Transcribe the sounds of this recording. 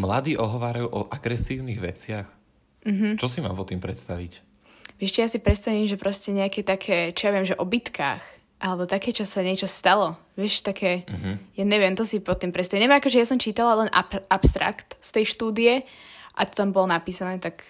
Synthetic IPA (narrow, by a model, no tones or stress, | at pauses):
mlad̪iːʔɔɦɔʋaːɾajuːʔɔʔaɡɾɛsiːʊniɣʋɛ̰t͡sɪax | m̩ɦm̩t͡ʃɔsima̰ːmpɔt̪impɾɛt̪st̪aʋḭc | ʋɪɛʃcɛjasipɾɛt̪st̪aʋiːmʒɛpɾɔscɛɲɛakɛt̪akʰɛːt͡ʃijaʋɪɛmʒɛʔɔbit̪kʰa̰ːx | ʔalɛbɔt̪akɛːt͡ʃɔsaɲɪɛt͡ʃɔst̪alɔ | ʋɪɛʃt̪akʰɛːjaɲɛʋɪɛmt̪ɔsipɔt̪impɾɛt̪st̪aimɲɛʋɛmakɔʒɛjasɔmt͡ʃiːt̪alalɛnʔa̰ʔapst̪ɾa̰kt̪st̪ɛjʃt̪uːd̪ijɛʔa̰t̪ɔ̥t̪ambɔlɔnapiːsanɛːt̪ak